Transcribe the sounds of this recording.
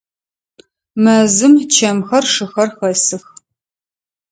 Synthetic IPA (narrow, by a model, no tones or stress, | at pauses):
mɐzɨmt͡ʃʰɐmxɐrʂɨxɐrxɐsɨx